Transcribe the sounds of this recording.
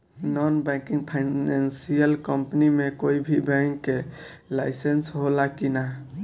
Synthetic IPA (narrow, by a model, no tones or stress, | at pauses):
nɔnbɛ̃kĩŋpʰaɪnansijəlkəmpnimekoibʱibɛ̃ŋkːe | laɪsensɦolakina